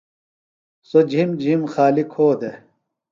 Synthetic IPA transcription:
sod͡ʑʱimd͡ʑʱimxaːlikʰhoːd̪e

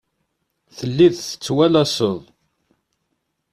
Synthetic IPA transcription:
θəlːiðθə̥t͡sːwælæsəðˤ

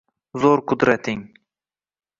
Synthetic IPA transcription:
zoɾqʰʊd̪ɾat̪ʰɪŋ

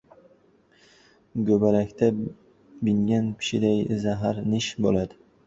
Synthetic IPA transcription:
ɡɵbalakʲt̪ʰa | bɪŋɡʲanpʰɪ̥ʃɪd̪ajzaɦaɾnɪʃbolad̪ɪ

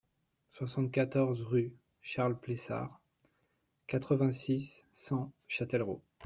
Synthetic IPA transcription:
swasɑ̃t̪̚kat̪ɔʁzʁy | ʃaʁlplesa̰ʁ | kat̪χəvɛ̃sisːɑ̃ʃat̪ɛlʁo̰

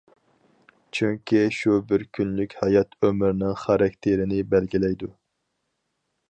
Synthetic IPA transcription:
t͡ʃʰyŋkʲʰiʃubɪɾkʲʰynlykʲhɑjɑt̪ʰømɪɾnɪŋχɑɾɑk̚ʲt̪ʰeɾɪnɪbɛlɡʲilɛjd̪u

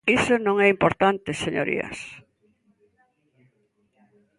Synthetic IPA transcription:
isonõŋɛimpoɾt̪ant̪eseɲo̰ɾḭɐ̰s

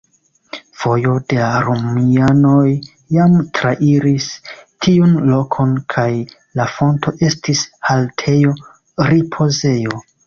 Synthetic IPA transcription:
fo̞jo̞de̞laɾomiano̞jː | amtɾaʔiɾistʰiunlo̞kʰo̞nkʰaj | lafo̞ntʰo̞ʔe̞stishaltʰe̞jo̞ | ɾipʰo̞ze̞jo

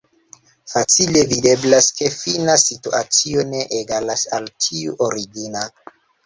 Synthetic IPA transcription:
fat͡sile̞vide̞blaske̞finasituat͡sio̞ne̞ʔeɡalasaltʰiuʔoɾiɡina

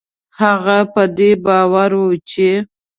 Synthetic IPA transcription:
haɣapəd̪ebɑwaɾwut͡ʃe

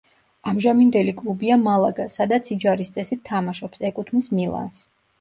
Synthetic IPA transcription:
amʒamind̪ɛlikʼlˠubiamalˠaɡasad̪at̪sʰid͡ʒaɾist̪sʼɛsit̪ʰːamaʃɔpsɛkʼut̪ʰnismilˠa̰ns

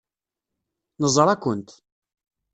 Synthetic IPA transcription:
nəzˤɾˤækʷːənt̪

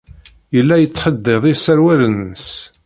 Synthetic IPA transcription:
jəlːæjət͡sːħəd̪ːeðˤisæɾwælənːəs

